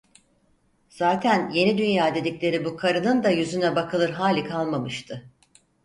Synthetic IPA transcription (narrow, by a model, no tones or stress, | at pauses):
z̥aːt̪ʰænje̞nid̪ynjaːd̪e̞d̪iclʲe̞ɾibukʰaɾɯnɯnd̪ajyzynɛbakʰɯlˠɯɾɦaːlʲikʰalˠmamɯʃt̪ʰɯ